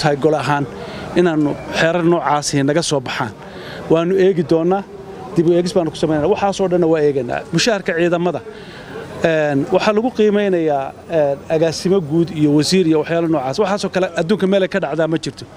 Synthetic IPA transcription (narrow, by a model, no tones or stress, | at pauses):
t̪ʰɐɦɛjɡɔlɐɦaːnɪnaːnʊħɛːɾɐrnɔːʕɑːsɪnɐɣɐsɔːbɑħa̰ːn | wɑːnʊɛːɣɪd̪ɔːnːaː | d̪ɪβʊɛːɣɪsbaːnːʊkʰʊ̥sɐmɛjnjnaːwɑħɑːsɔːɖɐnːɐwaːɛːɣɐnːa̰ːmʊʃaːhɐrkʰɐʕiːðɐmɐðɐ | ɛːnwɑħɑlɐɣʊqiːmɛjnɐjaːɛːnɐɣaːsɪmɔɡuːd̪ijɔwɐsiːɾijɔwɑħjaːlɐnɔːʕɑːswɑħɑːsɔːkʰɐlɛʔɐd̪uːŋkʰɐmɛːlɛjkʰɐɖɑʕd̪aːmɐt͡ʃɪr̥t̪ʰɔ̥